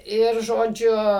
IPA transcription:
ˈɪr ʒoːˈd͡ʒʲʊ

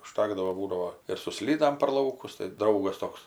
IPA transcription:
ʊˈʃtɑːɡdɐʋoː ˈbuːdɐʋoː ɪr sʊ ˈsʲlʲiːdɐm pʲɛr ˈlˠɐʊkʊs tɐɪ ˈdrɐʊɡɐs ˈtoːks

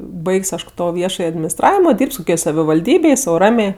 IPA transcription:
ˈbɐɪkʲsʲ ˈɐʃ ˈtoː ˈʋʲiɛʃɐj ɐdʲmʲɪnʲɪsˈtrɑːʋʲɪmoː ˈdʲiːrʲpʲsʲ koːˈkʲoːj sɐʋʲɪʋɐlʲˈdʲiːbʲeːj sɐʊ ˈrɑːmʲeː

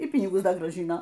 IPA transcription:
iː ˈpʲiːnʲɪɡʊs ˈdɐ ɡrɑːˈʒʲɪnoː

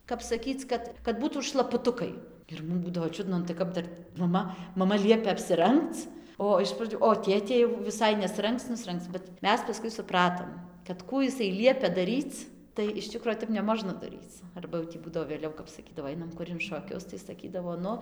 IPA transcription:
kɐp sɐˈkʲiːt͡s ˈkɐt kɐt ˈbuːtuːt ʃlˠɐpʊˈtʊkɐɪ ɪr ˈmʊm ˈbuːdɐʋoː ˈt͡ʃʲʊdnɐ nʊ tɐɪ ˈkɐp dɐr ˈmɑːmɐ mɐˈmɐ ˈlʲiɛpʲɛ ɐpʲsʲɪˈrɐŋkt͡s ˈoː ɪʃ prɐˈd͡ʒʲʊ oː ˈtʲeːtʲeː jɛʊ ʋʲɪˈsɐɪ nʲɛsˈrɐŋkt͡s nʊsʲˈrʲɛŋkt͡s bʲɛt ˈmʲɛs pɐˈskʊɪ sʊˈprɑːtoːm kɐt ˈkuː ɪˈsɐɪ ˈlʲiɛpʲɛ dɐˈrʲiːt͡s tɐɪ ɪʃ ˈt͡ʃʲɪkroː ˈtʲɛp nʲɛˈmoːʒnɐ dɐˈrʲiːt͡s ˈɐrbɐ jɛʊ tʲiː ˈbuːdɐʋoː ʋʲeːˈlʲɛʊ kɐp sɐˈkʲiːdɐʋoː ˈɐɪnɐm ˈkʊr ɪn ʃoːˈkʲʊs tɐɪ sɐˈkʲiːdɐʋoː ˈnʊ

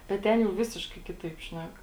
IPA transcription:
bʲɛt ˈtʲɛn jɛʊ ˈʋʲɪsʲɪʃkɐɪ ˈkʲɪtɐɪp ˈʃʲnʲɛk

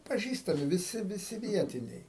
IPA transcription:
pɐˈʒʲiːstɐmʲɪ ʋʲɪˈsʲɪ ʋʲɪˈsʲɪ ˈʋʲiɛtʲɪnʲɛɪ

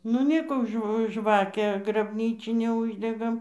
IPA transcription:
nʊ ˈnʲeːkoː ˈʒʋ ˈʒʋɑːkʲæː ɡrɐbʲˈnʲiːt͡ʃʲɪnʲæː ˈʊʒʲdʲɛɡɐm

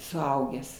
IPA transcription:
sʊˈɐʊɡʲæːs

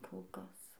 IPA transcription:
ˈkoːlˠ ˈkɐs

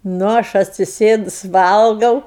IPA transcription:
ˈnʊ ˈɐʃ ɐtʲsʲɪˈsʲeːdʊs ˈʋɐlˠɡɐʊ

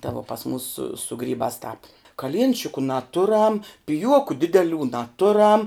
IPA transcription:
tɐ ʋoː pɐs muːs sʊ sʊ ˈɡrʲiːbɑːs tɑːp kɐˈlʲiɛnʲt͡ʃʲɪkʊ nɐˈtʊrɐm pʲɪˈjuɔkʊ ˈdʲɪdʲɛˌlʲuː nɐˈtʊrɐm

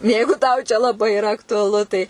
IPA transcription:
ˈjɛɪɡʊ tɐʊ ˈt͡ʃʲɛ lˠɐˈbɐɪ ɪˈrɐ ɐktʊɐˈlˠʊ tɐɪ

